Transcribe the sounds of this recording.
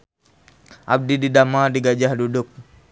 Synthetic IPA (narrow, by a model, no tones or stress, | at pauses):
ʔa̰b̚dididamadiɡad͡ʒahdudʊk̚